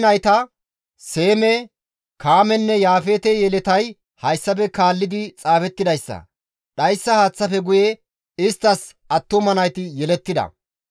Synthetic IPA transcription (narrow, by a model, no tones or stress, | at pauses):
nɐjt̪ɐ | se̞ːmɛ | kaːmɛnːɛjaːfeːt̪ɛjɛlɛt̪ɐj | hɐjsːɐpɛkaːlːɪd̪ɪt͡sʼaːfɛt̪ːɪd̪ɐjsːɐ̰ | ɗɐjsːɐhaːt͡sːɐfɛɡʊje | ɪst̪ːɐs | ɐt̪ːʊmɐnɐjt̪ɪjɛlɛt̪ːɪd̪ɐ̰